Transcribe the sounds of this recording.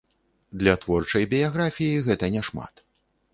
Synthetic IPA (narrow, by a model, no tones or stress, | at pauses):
d̪lʲɐt̪vɔrt͡ʂɐjbʲijaɣɾafʲijiɣɛt̪ɐnʲɛʂma̰t̪